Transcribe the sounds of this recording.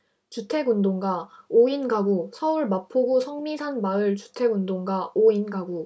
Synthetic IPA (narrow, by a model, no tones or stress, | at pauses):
t͡ɕutʰe̞ɡundoŋɡaoinɡaɡusʰʌuɭmapʰoɡusʰʌŋmisʰanmaɯɭt͡ɕu̥tʰe̞ɡundoŋɡaoinɡaɡu